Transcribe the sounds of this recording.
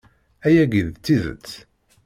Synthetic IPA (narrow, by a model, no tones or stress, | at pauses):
æjæɡiðt͡sːizə̰t͡sː